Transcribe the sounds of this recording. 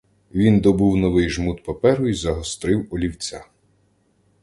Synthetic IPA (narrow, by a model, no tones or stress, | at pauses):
ʋʲind̪ɔbuwnɔʋɪjʒmut̪pɔpɛɾʊizɐɦɔst̪ɾɪwɔlʲiwt͡sʲa